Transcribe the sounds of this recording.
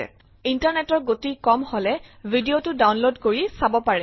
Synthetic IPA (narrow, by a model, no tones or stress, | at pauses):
ɛ̰ | intaɹnɛtɔɹɡotikɔmhɔlɛvʱidiotʊdawnlodkoɹisabɔpaɹɛ